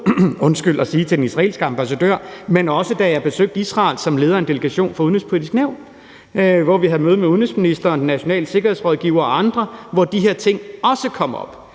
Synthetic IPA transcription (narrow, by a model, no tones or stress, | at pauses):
ɔ̽nsɡ̥ylɒsiːt͡sʰe̝denisʁɑ̈ḛːlsɡ̥əɑ̈mb̥æsæd̥ø̰ɐ̰menɒ̽səd̥æjɑ̈b̥e̝søɡ̥̚d̥isʁɑ̈ːlsɒ̽mle̝ːð̞ˠɐe̝nd̥e̝ləɡ̥æɕo̝̰ːnfɑuðˠnhespʰo̝lid̥isɡ̥næʊ̰n | ʋɒʋiɦæð̩ˠmøːð̞̩ˠmeuðˠnesminisd̥ɐɒnd̥enːæɕo̝nɛ̰ːləse̝ɡ̥ɐhe̝sʁɒð̞ˠɡ̥iʊ̰ɐːɑ̈nd̥ʁɐʋɒd̥iɦe̝ɐ̰t͡sʰe̝ŋ̰ɒ̽səkʰɒ̽m̰ɒ̽b̥